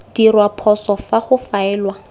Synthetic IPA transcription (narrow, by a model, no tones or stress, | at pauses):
d̥irwapʰɔsɔfaχʊfaɛːlwa